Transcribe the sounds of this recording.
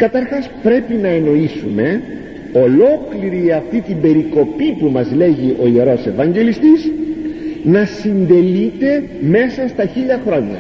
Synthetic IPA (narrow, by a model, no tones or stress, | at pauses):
kɐt̪ɐɾxɐspɾe̞pinɐe̞no̞isume̞ | o̞lo̞kliɾiɐft̪it̪ibe̞ɾiko̞pipumɐzle̞ʝiʔo̞ie̞ɾo̞se̞vɐɲɟe̞list̪iz | nɐsind̪e̞lit̪e̞ | me̞sɐst̪ɐçiʎɐxɾo̞ɲɐ̰